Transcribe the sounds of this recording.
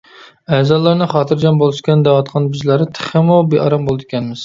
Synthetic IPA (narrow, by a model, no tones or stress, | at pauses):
ɛzɑːlˠɑɾnɨχɑːt̪ʰɨɾd͡ʒɑmbolˠɨʃkʲɛnd̪æʁɑt̪qʰɑnbɪzlæɾɪt̪ʰɪ̥χɪmubeʔɑɾɑmbolˠɨd̪ɪkʲɛnmɪz̥